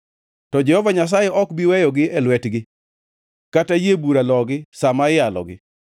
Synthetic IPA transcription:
tɔd͡ʒɛhɔvaɲas̬ajɛʔɔkbiwɛjɔɡɪɛlwɛtɡɪ | katajebuɾalɔɡɪsamaɪjalɔ̰ɡɪ̰

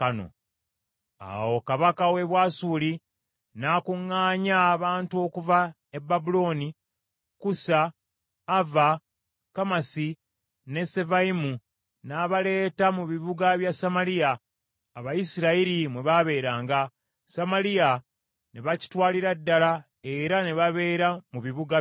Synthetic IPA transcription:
kano̞̰ | a̰wo̞kaβakawe̞βwaːsuːli | naːkuŋːaːɲaβaːntuo̞ːkuva | e̞bːabulo̞ːni | kusaː | va | kamasi | ne̞se̞vaimu | naːβale̞ːtamuβiβuɡaβjasamalijaː | βajisiɾaiɾimwe̞βaβe̞ːɾaːŋɡa | samalija | ne̞βaci̥twaːliɾadːala | e̞ɾane̞βaβe̞ːɾamuβiβuɡa

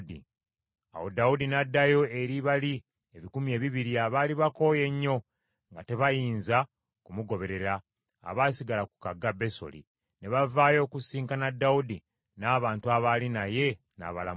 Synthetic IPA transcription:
dḭ | a̰wodaudinadːajo̞eɾiβali | eβikumje̞ːβiβiɾiaβaliβako̞ːje̞ɲːo̞ | ŋɡate̞βajiːnza | kumuɡo̞βe̞ɾe̞ɾa̰ː | βasiɡalaku̥kaɡːabe̞so̞̰lḭ | ne̞βavaːjo̞ːkusiːŋkanadːaudi | naːβaːntuaβalinaje̞ | na̰βala̰

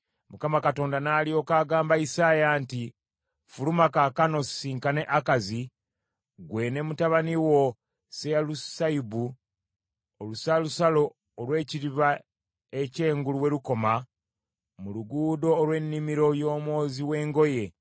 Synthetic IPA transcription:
mukamakato̞ːndanaːlio̞ːkaːɡaːmbaisaːjaːnti | fulumakakano̞siŋkane̞ʔakazi | ɡwe̞ːne̞mutaβaniwo̞ | sealusaibu | olusalusalo̞ː | lwe̞ːciɾiβa | ece̞ːŋɡuluwe̞luko̞ma | muluɡuːdo̞ːlwe̞nːimiɾo̞jo̞ːmwo̞ːziwe̞ːŋɡo̞je̞

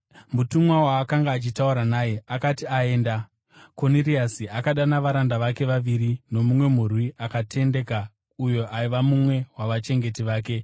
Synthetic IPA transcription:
mutumwawaːkaŋɡaːt͡ʃitauɾanaːje̞akatiae̞ːnda | ko̞niriasiakaɗanaʋaɾandaʋake̞ʋaʋiɾino̞mumwe̞m̤urwiʔakatʰe̞nde̞ka | ujo̞ʔaiʋamumwe̞waʋat͡ʃe̞ŋɡe̞tiʋaːke̞

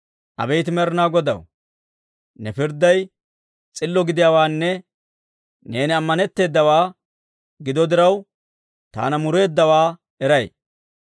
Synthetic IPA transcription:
ʔɐ̰bɛjt̪ɪmɛɾɪnaːɡɔd̪ɐ̰w | nɛfɪɾd̪ɐj | t͡sʼɪlːɔɡɪd̪ɪjaːwaːnːɛ | ne̞ːnɪɐmːɐnɛt̪ːe̞ːd̪ːɐwaː | ɡɪd̪ɔd̪ɪɾɐw | t̪a̰ːnɐmʊɾe̞ːd̪ːɐwaː | ɛɾɐj

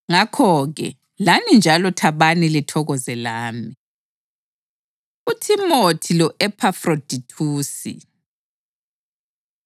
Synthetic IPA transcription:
ŋakʰɔɣɛ̰ | lanind͡ʒʱalɔtʰaβanilitʰɔɣɔzɛlaːmi | utʰimotʰilɔʔɛpʰafrod̥ʱitʰuːsḭ

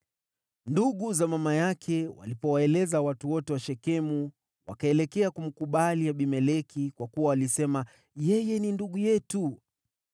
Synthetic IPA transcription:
nduɠuzamamajakʰɛwa̰lipɔwaɛlɛzawatuwɔtɛwaʃɛkɛmu | wa̰kaɛlɛkɛakum̩kuɓaliaɓimɛlɛkikwakuwawalisɛma | jɛjɛninduɠujɛtu

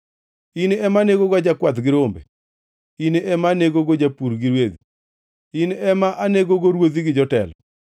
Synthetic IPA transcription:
ineɛmaneɡoɡad͡ʒakwat̪ɡɪɾombḛ | ineɛmaneɡoɡod͡ʒapuɾɡɪɾwed̪i | inɛmaʔaneɡoɡoɾwod̪iɡɪd͡ʒɔtɛ̰lɔ̰

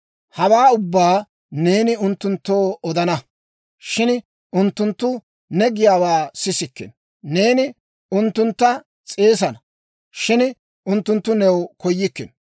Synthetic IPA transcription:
hɐwaːʊbːaː | ne̞ːnɪʊnt̪ːʊnt̪ːo̞ːɔd̪ɐnɐ | ʃɪn | ʊnt̪ːʊnt̪ːʊ | nɛɡɪjaːwaːsɪsɪkːɪ̰n | ne̞ːnɪ | ʊnt̪ːʊnt̪ːɐ | t͡sʼe̞ːs̬ɐnɐ | ʃɪn | ʊnt̪ːʊnt̪ːʊnɛwkɔjːɪkːɪ̰n

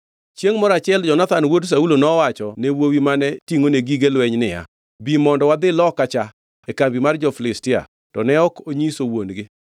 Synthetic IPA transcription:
t͡ʃjeŋmɔɾat͡ʃɪɛld͡ʒɔnat̪anwods̬aulonɔwat͡ʃɔnewowimanɛtiŋoneɡiɡelwɛɲnɪja̰ | bimɔndɔwad̪ɪlɔkat͡ʃa | ɛkambimard͡ʒɔflɪstɪa̰ | tɔnɛɔkoɲisowonɡɪ

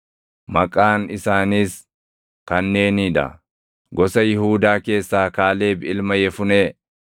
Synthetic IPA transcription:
mɐkʼːaːnɪsaːniːs | kɐnːe̞ːniːᶑ̪ɐ̰ | ɡɔsɐjɪɦuːd̪aːke̞ːsːaːkaːle̞ːbɪlmɐjɛfʊneː

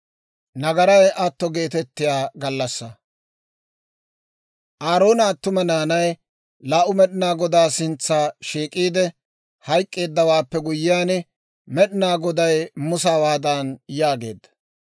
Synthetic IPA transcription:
nɐɡɐɾɐjʔɐt̪ːɔɡe̞ːt̪ɛt̪ːɪjaːɡɐlːɐsːɐ | ʔaːɾo̞ːnaːt̪ːʊmɛnaːnɐj | laːʔʊmɛɗɪnaːɡɔd̪aːsɪnt͡sːaːʃiːkʼiːd̪ɛ | hɐjkʼːe̞ːd̪ːɐwaːpːɛɡʊjːɪjaːnɛ | mɛɗɪnaːɡɔd̪ɐjmʊsaːwaːd̪anjaːɡe̞̰ːd̪ːɐ̥

